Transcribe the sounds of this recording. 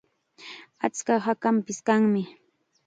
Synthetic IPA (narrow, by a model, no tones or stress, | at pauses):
at͡skahakampɪskaŋmɪ